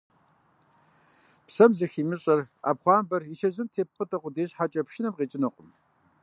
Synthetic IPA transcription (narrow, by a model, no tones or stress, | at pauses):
psɐmzɨxiːmɨɕʼɐra̰ːpχʷɑːmbɐrit͡ʃʰɐʑɨmtʰeːp̚χətʰɐqʷʊdeːɕħat͡ʃʼɐpʃɪnɐmqiːt͡ʃʼɪnɐqʷʼʊm